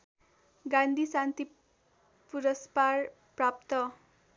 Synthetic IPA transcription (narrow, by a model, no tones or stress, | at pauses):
ɡãnd̪ʱisant̪i | puɾʌspar | prap̚t̪ʌ